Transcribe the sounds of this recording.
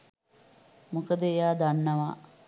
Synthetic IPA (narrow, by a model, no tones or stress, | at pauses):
mukəd̪əejaːd̪anːɐʋa